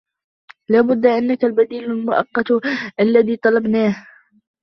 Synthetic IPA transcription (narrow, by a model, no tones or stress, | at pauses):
laːbʊd̪ːaʔanːakalbad̪iːlalmʊʔɑ̰qːɑt̪ʔalːaðiːt̪ˤɑlɑbnaːh